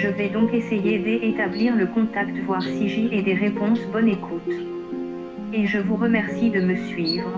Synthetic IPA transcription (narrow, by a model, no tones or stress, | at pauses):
ʒəvɛd̪ɔ̃kesejed̪eʔet̪abliʁləkɔ̃t̪akt̪vwaʁsiʒiʔɛd̪eʁepɔ̃sbɔnekʰut̪ | eʒəvuʁəmɛʁsid̪əməsɥivʁ